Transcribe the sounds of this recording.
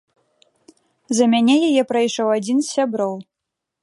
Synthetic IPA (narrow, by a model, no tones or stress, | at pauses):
zɐmʲanʲɛjajɛpɾajʂɔwad͡zʲinsʲsʲabɾɔw